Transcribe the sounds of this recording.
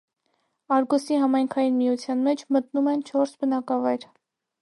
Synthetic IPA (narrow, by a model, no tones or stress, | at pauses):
ɑɾɡɔsiɦɑmɑjŋkʰɑjinmijut͡sʰjɑnmɛt͡ʃʰmət̪numɛnt͡ʃʰɔɾsbənɑkɑvɑjɾ